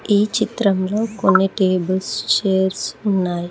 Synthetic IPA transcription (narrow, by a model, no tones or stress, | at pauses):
iːt͡ʃit̪ɾɐmlo̞ːkonːiʈeːbɐlst͡ʃeːɾsunːaːji